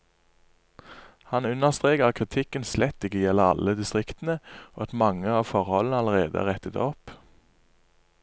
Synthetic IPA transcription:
hɑnʉnəʁst̪ʁeːkəʁɑkʰʁɪt̪ʰɪkənslɛt̪ːɪkəjɛləʁɑ̰ləd̪ɪst̪ʁɪkt̪n̩əoːɑt̪mɑŋəɑːʋfɔʁhɔlənəɑləʁḛːd̪ə̰æ̰ːʁɛt̪ət̪ɔp

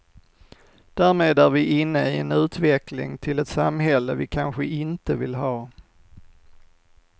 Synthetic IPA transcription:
d̪̥æːɾmeːd̪æɾvɪʔɪnːəɪɛnʉ̟ːt̪vɛklɪ̰ŋt̪ʰɪlɛt̪samːɦɛlːəvɪkʰanɧəʔɪnt̪əvɪlɦɑː

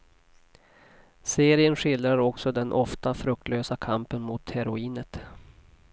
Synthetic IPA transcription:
seːɾɪənɧɪld̪ɾaɾɔksɔd̪ɛnʔɔft̪afɾɵk̚t̪ʰløːsakʰampənmʊt̪hɛɾʊiːnət̪

